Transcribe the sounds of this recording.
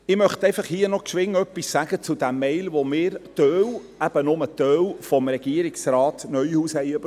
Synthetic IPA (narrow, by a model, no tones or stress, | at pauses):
ɪmœχt̪ɛɪfɑχhiːənɔkʃʋɪŋːœpːisːæɡ̥ət͡sʊd̪æmːɛɪlʋomɪːɾt̪œːw | æb̥ənʊmət̪œːwfɔmɾɛɡ̥iəɾɪksraːt̪nœʏhuːshɛɪøb̥